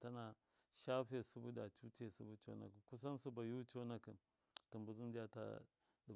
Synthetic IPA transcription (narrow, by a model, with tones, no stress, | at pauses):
ta˦na˨ | ʃa˦fe˨su˦bu˦da˨t͡ʃu˦t͡ʃe˦˨su˦bu˦t͡ʃo̰˦na̰˨ki˨ku˦s̬a˦n˦su˦ba˨ju˦t͡ʃo˦na˨ki˨n | ti˨mbu˨zu˦n˦d͡ʒa˦ta̰˦ | di˨